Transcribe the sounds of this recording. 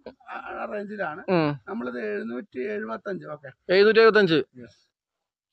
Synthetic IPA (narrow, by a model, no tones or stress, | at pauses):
ɐreɲd͡ʑilaːɳɨnɐmːɐɭɐðɨeɻunuːtːieɻubɐt̪ːɐɲd͡ʑɨoːkːee̞ɻunuːt̬ːieɻubɐt̪̬ːɐɲd͡ʑɨjes